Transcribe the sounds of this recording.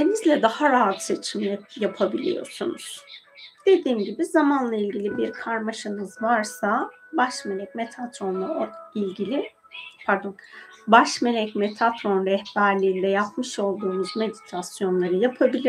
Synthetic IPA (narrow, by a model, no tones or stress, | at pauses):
d̪enizlʲɛd̪ahaɾaɦat̪se̞t͡ʃʰimljapʰabilʲḭjo̞̰ɾsunuz̥ | d̪̥e̞d̪iːmɟibizamanlˠailʲɟilʲibiɾkʰaɾmaʃɯnɯzvaɾsabaʃme̞lʲɛcmet̪ʰat̪ɾo̞nlˠaoilʲɟilʲi | pʰæɾd̪on | baʃme̞lʲɛcme̞t̪ʰat̪ɾo̞nɾɛhbæɾlʲiːnd̪ɛjapmɯʃo̞lˠd̪uːmuzme̞d̪it̪ʰasjo̞nlˠaɾɯjapʰabilʲi